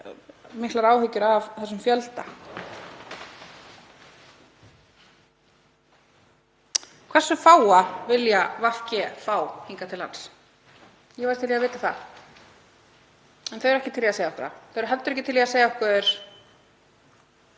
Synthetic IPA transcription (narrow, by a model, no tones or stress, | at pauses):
mɪhklaɾaːwhʏcʏɾavθɛsʏmfjœlt̪a | kʰvɛɾ̥sʏfaːwavɪljavafcɛfaːwhiŋkat̪ʰɪlha̰ns | jɛvaɾt̪ʰɪljavɪːt̪aθa̰ð | ɛnθœjɾɛhcɪt̪ʰɪljiaseːjaɔhkʰva̰θœɾ̥ɦɛlt̪ʏɾɛhcɪt̪ʰɪljaseːjaɔhkʰvɛːðʏɾ̥